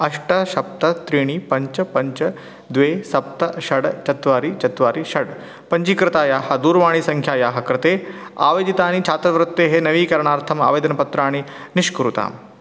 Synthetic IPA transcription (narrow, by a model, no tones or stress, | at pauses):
ɐʂʈɐʃɐp̚t̪ɐt̪ɾiːɳipɐɲt͡ʃɐpɐɲt͡ʃɐ | d̪ʋeːsɐp̚t̪ɐʃɐɽt͡ʃɐt̪ʋaːɾit͡ʃɐt̪ʋaːɾiʃɐɽ | pɐɲt͡ʃikɾɪt̪aːjaːɦɐ̆d̪uːɾʋaːɳisɐŋkʰjaːjaːɦɐkɾɪt̪eːa̰ːʋɐːd̪it̪aːnit͡ʃʰaːt̪ɾɐʋɐɾɐt̪ːeːɦenɐʋiːkɐɾɐɳaːɾt̪ʰɐma̰ːʋeːd̪ɐnɐpɐt̪ɾaːɳiniʃkuɾut̪a̰ːm